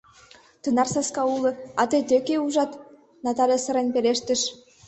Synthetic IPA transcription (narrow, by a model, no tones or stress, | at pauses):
t̪ɯnɑrsɑskɑulˠɤ̆ɑt̪ɤt̪økʲeuʒɑt̪ | nɑt̪ɑlʲjesɤ̆ɾenʲpʲelʲeʃt̪ɘ̆ʃ